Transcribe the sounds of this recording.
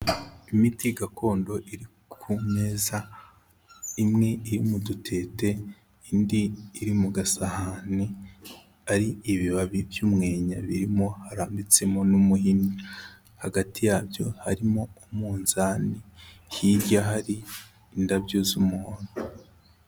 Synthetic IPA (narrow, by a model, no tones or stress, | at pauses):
imitiɡako̞ːndo̞ʔiɾi | kʰume̞ːza | imŋe̞iɾimudutʰe̞ːte̞ | indiːɾimuɡasahani | aɾiːβiβaβivjumŋe̞ːɲaβiɾimo̞haɾaːmbit͡se̞mo̞numuɦini | haɡatʰijaːbjo̞haɾimo̞umuːnzaːnihiɾɟaɦaɾiː | ndabɟozumuːnu